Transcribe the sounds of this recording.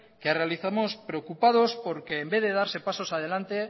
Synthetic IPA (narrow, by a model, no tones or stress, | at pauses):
kearealiθamo̞spɾeokupað̞o̞spo̞ɾke̞ːmbe̞ðe̞ðaɾse̞paso̞sað̞e̞lant̪e̞